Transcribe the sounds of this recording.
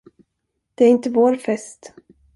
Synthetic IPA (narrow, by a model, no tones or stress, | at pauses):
d̪̥ɛæɾɪnt̪əvoːɾfɛst̪